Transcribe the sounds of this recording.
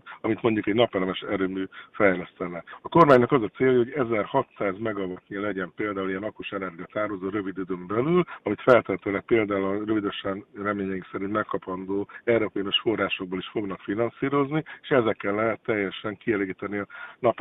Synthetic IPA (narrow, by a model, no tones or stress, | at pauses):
t̪ɒmit̪mo̞ɲɟukɛɟnɒpɛlɛmɛʃɛɾøːmyːfɛjlɛst̪ɛnɛɒko̞rmaːɲnɒkɒzɒt̪seːjɒjɒhoɟɛzɛrhɒt̪saːzmɛɡɒvɒt̪nilɛɟɛmpeːld̪aːulijɛnɒkuʃɛnɛrɡijɒt̪aːrɦozoːɾø̞vid̪yd̪ømbɛlylɒmit̪fɛlt̪ɛt̪øːlɛk̚peːld̪aːulrøvid̪øʃɛnrɛmeːɲɛiŋksɛɾint̪mɛkːɒpɒnd̪oːɛɾopejnoʃfo̞rːaːʃo̞ɡ̚boːliʃfo̞ɡnɒkfinɒnsiːɾo̞znieːʃɛzɛkːɛlːɛɦɛt̪ːɛjːɛʃɛŋkiɛleːɡiːt̪ɛniɒnɒp